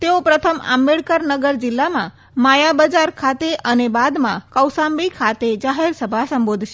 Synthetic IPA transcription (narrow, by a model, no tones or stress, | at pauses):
t̪eopɾət̪ʰəma̰mːeɭkəɾnəɡəɾd͡ʒɪlːamã | majabəd͡ʒaɾkʰat̪eʔənebad̪mã̰kəwsambikʰat̪ed͡ʒaɦeɾsəbʱasəmbod̪ʱʃe